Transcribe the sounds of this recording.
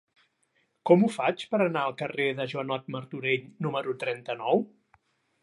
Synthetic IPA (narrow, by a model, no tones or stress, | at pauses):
kɔmufat͡ʃpəɾənaəlˠkəreðəʒwənɔt̪̚məɾt̪uɾeʎnuməɾut̪ɾɛnt̪ənɔw